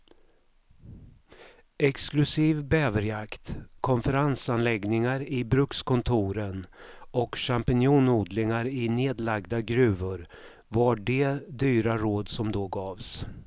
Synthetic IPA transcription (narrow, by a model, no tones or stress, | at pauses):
ɛksklɵsiːvbɛːvəɾjakt̪kʰɔnfəɾansanlɛɡnɪŋaɾɪbɾɵkskɔnt̪ʰuːɾənɔkʂampɪnjuːnuːd̪lɪŋaɾɪneːd̪laɡd̪aɡɾʉ̟ːvʊɾ | vaɖɛd̪yːɾaɾoːd̪sɔmd̪oːɡɑːvs